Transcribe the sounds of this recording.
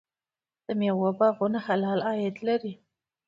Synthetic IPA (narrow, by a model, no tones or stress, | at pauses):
d̪̥əmjɑwabɑɣʊnaxalɑlɑjɪd̪laɾi